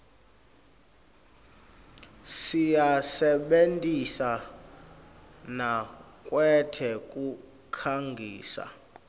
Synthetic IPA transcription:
sijasɛɓentʼisa | nakʼwɛtʰɛkʼu | kʰaŋɡʱḭːsa̰

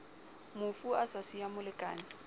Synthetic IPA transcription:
mʊfuasasiamʊlɪkʼaːnɪ

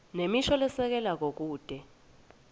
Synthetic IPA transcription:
nemiʃɔlɛsɛk̬ɛlak̬ok̬uːd̥ʱɛ

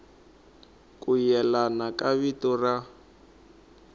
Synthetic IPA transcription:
kʼujɛlanakʼaβitɔra

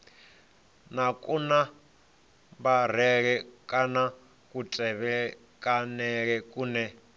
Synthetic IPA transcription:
nakʼuna | baɾ̤ɛɺɛkʼana | kʼutʼɛβɛ | kʼanɛɺɛkʼuːnɛ

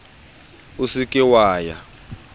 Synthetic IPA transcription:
usikʼiwaːja̰

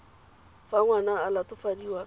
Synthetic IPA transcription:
faŋwanaːlatʊfadiwa

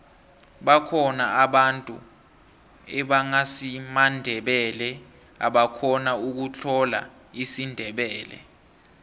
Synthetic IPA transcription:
ɓakʰɔnaaɓantʼṵ | ɛɓaŋasimandʱɛɓɛlɛ | a̰ɓakʰɔnauk̬ut͡ɬʰɔla̰ | isindʱɛɓɛːlɛ̰

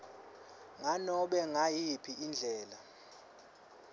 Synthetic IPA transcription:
ŋanɔɓɛŋajipʰiʔːnd͡ɮʱɛːla

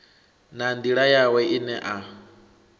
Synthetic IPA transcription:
nand̪iɺajawɛʔinɛʔa

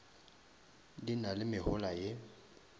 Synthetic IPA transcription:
dinalɪmɪhʊlaje

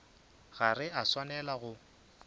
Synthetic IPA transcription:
ɣarɪaswanɛlaɣʊ

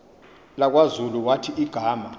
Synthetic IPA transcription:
lak̬wazuluwatʰiʔiɡ̥ʱaːma

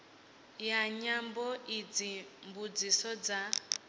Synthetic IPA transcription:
jaɲambɔʔid͡zimbud͡zisɔd͡za

